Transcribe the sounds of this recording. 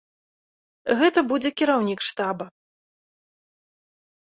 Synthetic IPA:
ɣɛt̪ɐbud͡zʲɛkʲiɾawnʲikʂt̪abɐ

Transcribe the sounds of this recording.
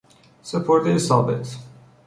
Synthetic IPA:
sepʰoɾt̪esɑ̰ːbet̪

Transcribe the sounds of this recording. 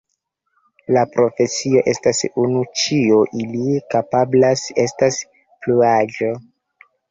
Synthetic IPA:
lapɾʔo̞fe̞sio̞ʔe̞stasunut͡ʃioʔilikapablase̞stas | pluɾad͡ʒo̞

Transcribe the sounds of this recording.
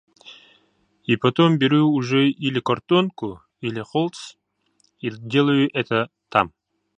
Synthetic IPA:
ipɐt̪ombʲɪɾʲuːʐɛilʲɪkɐrt̪onkʊ | ilʲɪχolˠt̪s | idʲe̞lˠəjʊʔɛt̪ə | t̪ʰa̰m

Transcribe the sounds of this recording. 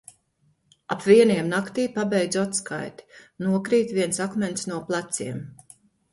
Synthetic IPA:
apviɛniɛmnakt̪iːpabʲɛjd̪zat̪ska̰jt̪i̥nuɔkɾiːt̪viɛnsakmɛnt̪snuɔplˠat̪siɛm

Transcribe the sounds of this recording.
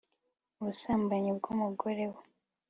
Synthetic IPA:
uβusaːmbaɲibɡumuɡoɾe̞wu

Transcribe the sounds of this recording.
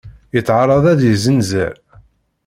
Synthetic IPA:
jət͡sːʕɑɾˤːɑðˤæðjəzənzæ̰l

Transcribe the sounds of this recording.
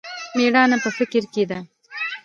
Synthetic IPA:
meːɽaːnɐpɐfɪkɪɾkid̪ɐ

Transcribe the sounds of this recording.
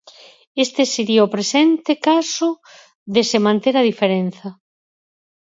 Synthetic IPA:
est̪eseɾiaopɾesent̪ekasʊ | ðesemãnt̪eɾaðifeɾen̟θɐ

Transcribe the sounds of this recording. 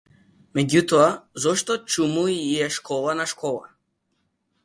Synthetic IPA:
mɛɟut̪ɔazɔʃt̪ɔt͡ʃumuiiɛʃkʰɔlˠanaʃkɔlˠa̰

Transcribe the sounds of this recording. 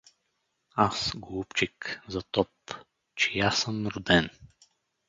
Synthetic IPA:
asɡoupt͡ʃikzɐt̪ɔp | t͡ʃɛjasəmɾʊd̪ɛn

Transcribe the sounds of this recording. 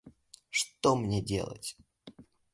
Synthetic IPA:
ʂt̪omnʲedʲḛlˠə̰tʲ

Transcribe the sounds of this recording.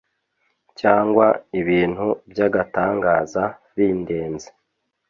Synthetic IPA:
caːŋɡwaiβiːn̥hubjaɡataːŋɡaːza | βiːnde̞ːnze

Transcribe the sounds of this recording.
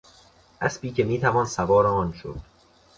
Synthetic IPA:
ʔæ̰spiːkʰe̞miːt̪ʰævɒːnsævɒːɾeɒːnʃo̰d̪̥

